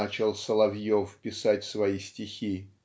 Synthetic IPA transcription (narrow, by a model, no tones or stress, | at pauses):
at͡ɕɪlˠsəlˠɐvjofpʲɪsatʲsvɐisʲtʲɪxʲi